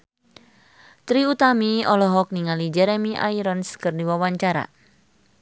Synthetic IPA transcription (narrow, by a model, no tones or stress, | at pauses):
t̪ɾiut̪amiɔlɔɦɔk̚niŋalid͡ʒɛɾɛmiʔa̰iɾɔnskɨrdiwawaɲt͡ʃaɾa̰